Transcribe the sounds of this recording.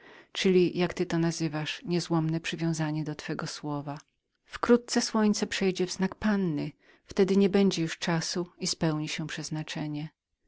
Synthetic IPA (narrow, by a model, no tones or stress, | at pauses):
t͡ʂɘlʲijakt̪ɘt̪ɔnazɘvaʂɲɛzwɔmnɛpʂɘvʲjɔ̃w̃zaɲɛd̪ɔt̪fɛɡɔswɔva | fkɾut̪̚t̪sɛswɔɲt̪sɛpʂɛjd͡ʑɛvznakpanːɘ | ft̪ɛd̪ɘɲɛbɛɲd͡ʑɛjuʂt͡ʂasuispɛwɲiɕɛpʂɛznat͡ʂɛɲɛ